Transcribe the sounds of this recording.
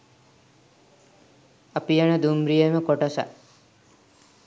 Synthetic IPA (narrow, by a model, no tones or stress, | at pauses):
ɐpijɐnəd̪umbɾijeməkoʈɐsɐ̰